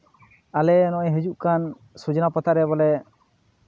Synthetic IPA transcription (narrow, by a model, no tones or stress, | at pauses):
alɛnɔʔɛjɦed͡ʒuʔkan | sud͡ʒɔnapɔt̪ʰaɾɛbɔlɛ